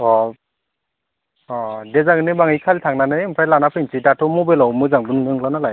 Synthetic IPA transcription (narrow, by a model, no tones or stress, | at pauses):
ɔ | ɔdɛzaɡɯnɯbaŋijkʰaltʰaŋnanɯjɯmpʰajlanapʰɯjnsʰidatʰɔmɔbelawmɯzaŋbɯnnɯŋlanalaj